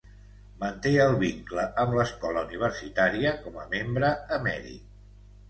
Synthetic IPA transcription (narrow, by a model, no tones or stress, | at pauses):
mənt̪eəlˠβiŋkləʔəmləskɔləuniβ̞əɾsit̪aɾiəkɔməmembɾəːmɛ̰ɾḭ